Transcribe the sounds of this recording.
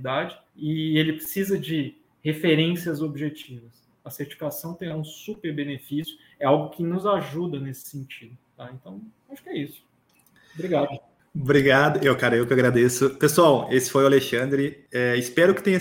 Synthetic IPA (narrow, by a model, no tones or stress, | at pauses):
d̪ad͡ʒɪ | ɪelɪpɾɪsizɐd͡ʒɪ | hefeɾẽsiɐzobiʒet͡ʃivɐs | ɐseɾt͡ʃi̥fi̥kasɐ̃w̃t̪ẽj̃aũsupeɾbẽnefisjʊ | ɛawɡʊkʰɪnʊzaʒud̪ɐnesɪ̥sẽnt͡ʃid̪ʊt̪aẽnt̪ɐ̃w̃ | aʃʊ̥kɪɛisʊ̥ | bɾiɡad̪ʊ | bɾiɡad̪ʊewkaɾɐewkaɡɾad̪esʊpesuawesɪ̥fojʊaleʃɐ̃nd̪ɾɪɛɪspɛɾʊkɪ̥t̪ẽɲɐ